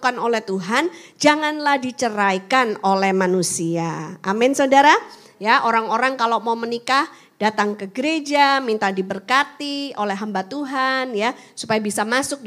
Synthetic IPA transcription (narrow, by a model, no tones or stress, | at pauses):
kanolɛht̪uɦand͡ʒaŋanlahdit͡ʃəɾajkanolɛhmanusiaa̰mɪnsaudaɾa | jaʔoɾaŋoɾaŋkalomaumənikah | d̥at̪aŋkəɡəɾed͡ʒamint̪adibərkat̪iolɛɦambat̪uɦanja | supajabisamasʊk̚